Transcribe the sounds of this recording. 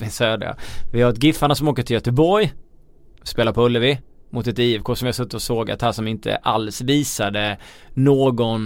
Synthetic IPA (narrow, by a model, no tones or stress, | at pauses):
ɪsøːd̪ɾa̰vɪhaɾɛt̪̚ɡɪfːaɳasɔmoːkəʈ̪ʰɪljœt̪əbɔɾj | speːlaɾpʰɔɵlːəvɪmʊt̪ɛt̪iːɛvkʰoːʂɔmjasɵt̪ːɪt̪ɔsoːɡa̰t̪hæʂɔmɪnt̪ʰə̰ʔalsviːsad̪ənoːɡɔn